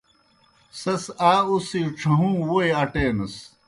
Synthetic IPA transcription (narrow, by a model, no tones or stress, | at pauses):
sɐsaːusiʈ͡ʂʰɐɦũːwueɐʈeːnɐs